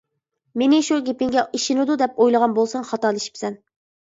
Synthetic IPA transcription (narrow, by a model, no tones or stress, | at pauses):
menɪʃuɡʲepɪŋɡʲɛʔiʃinɪd̪ud̪ɛp̚ojlˠəʁɑnbolˠsɑŋχɑt̪ɑːlˠiʃi̥psɛn